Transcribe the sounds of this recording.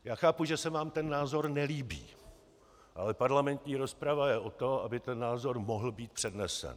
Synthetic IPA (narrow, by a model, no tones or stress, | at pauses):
jaːxaːpuʒɛsɛvaːmt̪ɛnːaːzo̞ɾnɛliːbḭː | ʔalɛpaɾlamɛnt̪ɲiːɾo̞spɾavajɛʔo̞t̪o̞ʔabɪt̪ɛnːaːzo̞ɾmoɦl̩biːt̪̚pr̥ɛdnɛsɛ̰n